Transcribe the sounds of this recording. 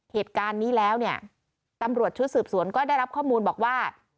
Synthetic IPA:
heː˨˩t̪̚kaː˧nːiː˦˥lɛː˦˥wni˥˩ə | t̪a˧mɾu˨˩ət̪̚t͡ɕʰu˦˥t̪̚sɯː˨˩p̚su˩˦ənkɔː˥˩da˥˩jɾa˦˥p̚kʰɔː˥˩muː˧nbɔː˨˩k̚waː˥˩

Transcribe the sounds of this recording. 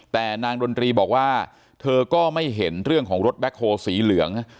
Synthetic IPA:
t̪ɛː˨˩naː˧ŋdo˧nt̪ɾiː˧bɔː˨˩k̚waː˥˩ | t̪ʰɤː˧kɔː˥˩ma˥˩jɦe˩˦nɾɯ˥˩əŋkʰɔː˩˦ŋɾo˦˥t̪̚bɛ˦˥k̚ʰːoː˧siː˩˦lɯ˩˦əŋ

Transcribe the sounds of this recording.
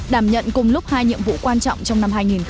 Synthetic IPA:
ɗaː˧˩mɲə̰˧˨nkʊ˨˩ŋ͡mlʊ˦˥k͡p̚haː˧jɲḭ˧˨əmvṵ˧˨kwaː˧nt͡ɕɔ̰˧˨wŋ͡mt͡ɕɔ˧wŋ͡mna˧mɦaː˧jŋi˨˩n

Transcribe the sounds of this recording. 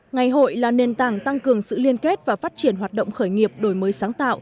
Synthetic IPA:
ŋa˨˩jɦo̰˧˨jlaː˨˩ne˨˩nt̪aː˧˩ŋt̪a˧ŋkɨ˨˩əŋsɨ̰˧˨li˧ənke˦˥t̚vaː˨˩faː˦˥t̚t͡ɕi˧˩ənɦwaː˨˩t̚ɗə̰˧˨wŋ͡mxəː˧˩jŋi˨˩əp̚ɗo˧˩jməː˨˦jsaː˨˦ŋt̪a̰ː˧˨w

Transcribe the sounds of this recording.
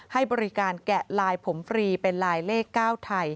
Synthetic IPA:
ha˥˩jbɔː˧ɾi˦˥kaː˧nkɛ˨˩laː˧jpʰo˩˦mfɾiː˧pe˧nlaː˧jleː˥˩kːaː˥˩wt̪ʰa˧j

